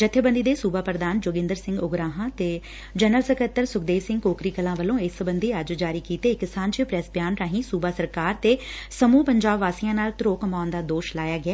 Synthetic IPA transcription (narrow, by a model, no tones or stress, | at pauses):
d͡ʒət̪ʰːebə̃nd̪iːd̪eːsuːbaːpɾəd̪aːnd͡ʒoːɡɪ̃nd̪əɾsɪ̃ŋɡʊɡɾaːɦãːt̪eː | d͡ʒənəlsəkət̪ːəɾsʊkd̪eːʋsɪ̃ŋɡkoːkɾiːkəlãːʋəlõːɪsbənd̪iːəd͡ʒd͡ʒaːɾiːkiːt̪eːkːɪsaːnt͡ʃəpɾɛsbjaːnɾaːɦĩːsuːbaːsəɾkaːɾt̪eːsəmuːpəɲd͡ʒaːbʋaːsijãːnaːlt̪ɾoːkəmaːnd̪aːd̪oːʃlaːjaːɡɪɛː